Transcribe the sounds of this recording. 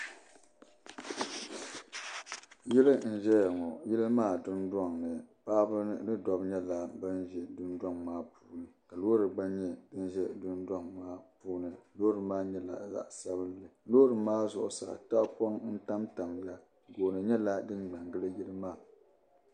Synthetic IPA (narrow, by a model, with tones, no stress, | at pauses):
ji˦lɨ˦n̩˦˨ʒɛ˦ja˨ŋɔ˨ji˦lɨ˦maː˦˨dʊ˦nda˦˨ŋnɨ˨paː˦bɨ˦nɨ˦dɔ˦bɲɛ˦la˨bɨ˦n˦ʒɛ˨dʊ˦nda˦˨ŋmaː˦puː˦nɨ˨ka˨loː˦ɾɨ˨ɡ͡ba˦nɲɛ˦dɨ˦n˦ʒɛ˦dʊ˦nda˦ŋmaː˦puː˦nɨ˨loː˦ɾɨ˨maː˦ɲɛ˦la̰˨za̰˦˨ʔsa˦bɨ˦nlɨ˨lo˦ɾɨ˨maː˦zʊ˨ʔʊ̰˨sa̰˨ta˦ʔpɔ˦ŋn̩˦ta˦mta˨mja˦ | ɡo˨nɨ˨ɲɛ˦la˦dɨ˦nɡ͡ba˨ŋɡɨ˦lɨ˦ji˦lɨ˦maː˦˨